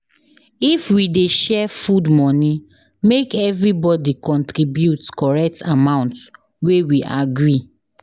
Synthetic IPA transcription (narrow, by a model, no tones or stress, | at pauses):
ifwideʃɛfudmɔ̃ni | mekɛvɹibɔdikɔ̃ntɹibjutkɔɹɛk̚tʰamãʊ̃nt | wewiʔaɡɹi